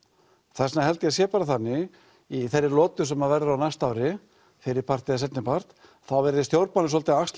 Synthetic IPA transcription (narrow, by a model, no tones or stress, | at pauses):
θɛsnaɦɛlt̪ɪasjɛːpaɾaθanːɪ | iθɛjrːɪlɔːt̪ʏ̥sɛmːaðvɛɾðʏawnajst̪aːwɾɪ | fɪɾɪɾpʰar̥t̪ɪðasɛt̪nɪpar̥t̪ | θawvɛɾðɪst̪jowɾpmanːʏs̬ɔlt̪ɪaakst̪